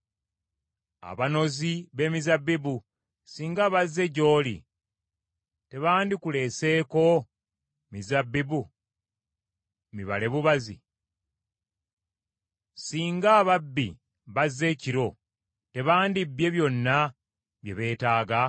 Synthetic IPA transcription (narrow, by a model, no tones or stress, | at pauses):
a̰βano̞ziβe̞mizabːibu | siːŋɡaβazːe̞ɟo̞ːlḭ | te̞βaːndikule̞ːse̞ːko̞ | mizabːibu | miβa̰le̞βuβazḭ | siːŋɡaːβabːḭ | βazːe̞ːciɾo̞ | te̞βaːndibje̞βjo̞nːa | βje̞βe̞ːtaːɡa